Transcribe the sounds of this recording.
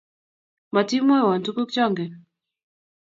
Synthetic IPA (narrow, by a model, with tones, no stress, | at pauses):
ma˨ti˦mɔ˦˨wa˨ntu˦ku˦kt͡ʃɔ˦ŋɡɛ˨